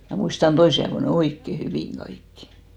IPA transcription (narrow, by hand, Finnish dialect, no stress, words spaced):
mæ muistɑn toisi ɑeʋo ne oikːe hyʋiˑŋ ɡ̊ɑikːi̥